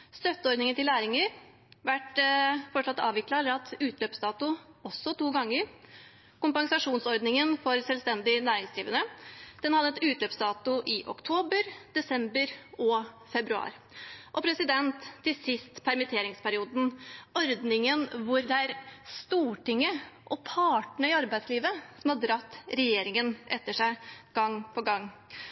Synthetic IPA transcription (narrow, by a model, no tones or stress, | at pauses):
st̪œt̪ːəɔɾd̪nɪŋənt̪ɪlæːɾɪŋəɾ | ʋæʈfɔʂɭɑt̪ːɑ̰ːʋɪklɑɛlːəɾɑt̪ʉːt̪løːpsd̪ɑːt̪ʊɔsːɔt̪uːɡɑŋːəɾ | kʊmpɑŋsɑʂuːnsɔɾd̪nɪŋənfɔɾsɛlst̪ɛnd̪ɪnæːɾɪŋsd̪ɾiːʋənəd̪̥ɛnhɑd̪ːəɛt̪ʉːt̪løːpsd̪ɑːt̪ʊʔɪʔɔ̰kt̪ʰoːbəɾd̪̥ɛsɛmbəɾɔ | fɛbɾʉɑ̰ːɾʔɔpʰɾɛsɪd̪ɛnt̪ʰːɪsɪst̪pʰæɾmɪt̪ʰeːɾɪŋspʰæɾɪuːd̪n̩ɔɾd̪nɪŋənʋʊɾd̪ɛæɾst̪uːʈɪŋːəʔɔpʰɑːʈɳəɪɑɾbæɪsliːʋəsɔmhɑd̪ɾɑt̪ːɾɛjeːɾɪŋənʔɛt̪ːəʂæɪɡ̥ɑŋːpʰɔɡɑŋː